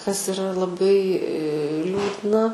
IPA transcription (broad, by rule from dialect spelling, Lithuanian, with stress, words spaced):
kɐs ɪˈrɐ lˠɐˈbɐɪ ˈlʲuːdnɐ